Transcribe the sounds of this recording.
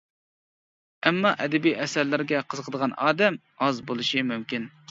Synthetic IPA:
ɛmːɑʔɛd̪ɛbijʔɛsæɾlɪɾɡʲɛqʰəzəqʰəd̪əʁɑnɑːd̪ɛm | ɑzbolˠɨʃɨmymkʲin

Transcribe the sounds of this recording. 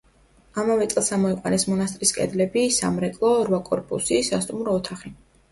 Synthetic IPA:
amavɛt̪sʼlˠsamɔiqʼwanɛsmɔnast̪ʼɾiskʼɛ̰d̪lɛbisa̰mɾɛkʼlˠɔɾvakʼɔɾpʼusisast̪ʼumɾɔːt̪ʰaχi

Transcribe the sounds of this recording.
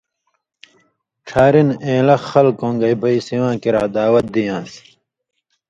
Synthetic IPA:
ʈ͡ʂʰaːɾinẽːlɐxɐlkõːŋɡɐjbɐisiwãːkiɾaːd̪aːwɐt̪̚d̪ijãːs

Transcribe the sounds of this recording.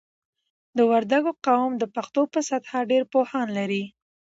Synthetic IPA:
d̪əwaɾd̪aɡoqɑwmd̪əpaxt̪opəsat̪hɑɖeɾpohɑnlaɾi

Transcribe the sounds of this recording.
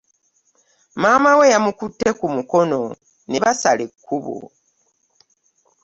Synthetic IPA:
maːmawejamukutːe̞kumuko̞no̞ | neβasalekʰːuβo̰

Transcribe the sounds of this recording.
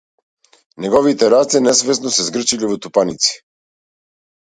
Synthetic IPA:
nɛɡɔvit̪ɛɾat̪sɛnɛsvɛsnɔsɛzɡr̩t͡ʃilivɔt̪upanit̪si̥

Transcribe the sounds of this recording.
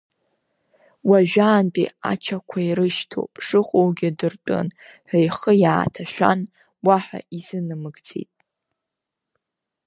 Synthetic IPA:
waʒᶣaːnpʼḭa̰t͡ʃʰakʷʰaiɾɨʃtʰo̰pʼʂɨχʷʼowɡʲɪdɨrtʷʼɨ̰nħʷejχəjaːtʰaʃᶣa̰n | waħa̰izɨnɨmɨɡd͡zḛjtʼ

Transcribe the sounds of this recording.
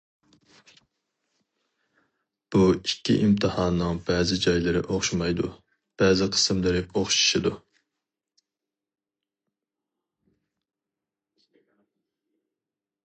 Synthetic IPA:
b̥uikʲʰːḭʔimt̪ʰɨhɑːnnɨŋbɛːzɪd͡ʒɑjlˠɨɾɪ̰ʔoχʃmɑjd̪ṵ | b̥ɛzɪqʰə̥sɨmlˠɨɾɪoχʃi̥ʃid̪u

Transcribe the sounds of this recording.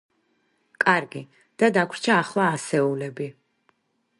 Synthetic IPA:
kʼaɾɡi | d̪̥ad̪akʷʰwɾt͡ʃʰaːχlˠaːsɛulɛbi

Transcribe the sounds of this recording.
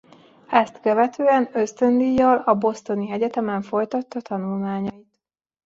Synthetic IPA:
ɛst̪køvɛt̪øːɛnø̞st̪ø̞nd̪ijːɒlɒbo̞st̪o̞niɛɟɛt̪ɛmɛɱfo̞jt̪ɒt̪ːɒt̪ɒnulmaːɲɒit̪

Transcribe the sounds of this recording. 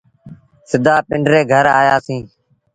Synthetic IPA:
sɪd̪aːpɪɳɖɾeːɡʱəɾaːjaːsĩː

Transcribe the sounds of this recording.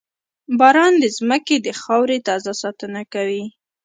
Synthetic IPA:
bɑɾɑnd̪əzməked̪əxɑwɾet̪ɑzasɑt̪ənakawi

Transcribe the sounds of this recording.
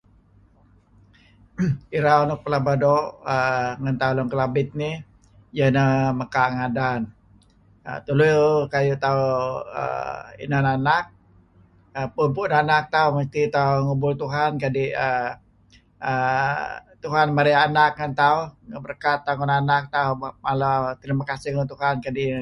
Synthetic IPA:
iɾaonʊk̚pəlabadɔʔəŋant̪aulɔŋkəlabɪt̪̚ni | jənəməkaŋadan | ə̰t̪ulukajut̪auə̰ḭnananak̚ | əpumpunanak̚t̪auməst̪it̪auŋubʊlt̪uɦankadiʔə | ə | t̪uɦanmaɾiaanak̚ŋənt̪auəbərkat̪ːaŋʊnanak̚t̪aumalat̪ɾimakasiŋt̪uɦankadi

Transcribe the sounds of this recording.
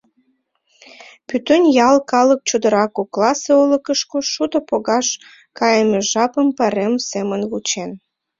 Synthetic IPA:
pyt̪ønʲjɑlkɑlək̚t͡ɕud̪əɾɑkoklɑseoləkəʃkoʃud̪opoɣɑʃ | kɑjəmeʒɑpəmpɑɾemsemənβut͡ɕen

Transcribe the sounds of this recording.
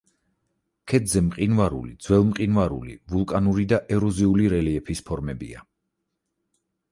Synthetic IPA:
kʰɛd̪zɛmqʼinvaɾṵlid̪z̥wɛlˠmqʼinvaɾṵlḭvulˠkʼanuɾid̪aʔɛɾɔziuliɾɛliɛpʰispʰɔɾmɛbḭa

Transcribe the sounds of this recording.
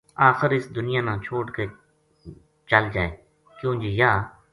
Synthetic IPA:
aːxəɾɪsd̪ʊnɪjaːnãːt͡ʃʰoːʈke | t͡ʃəld͡ʒaːeː | kjõːd͡ʒejaː

